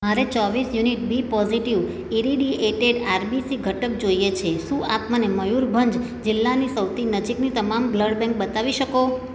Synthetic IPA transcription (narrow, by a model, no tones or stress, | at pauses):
ɦaɾet͡ʃɔʋisjuniʈ̚bʱipɔziʈiʋ | iɾiɖieʈeɖaɾbisiɡʱəʈəp̚d͡ʒoijet͡ʃʰesũa̰t̪məneməjuɾbʱənd͡ʒ | d͡ʒɪlːanisəwt̪ʰinəd͡ʒiknit̪əmamɡləɽbɛ̃ŋk̚bət̪aʋiʃəko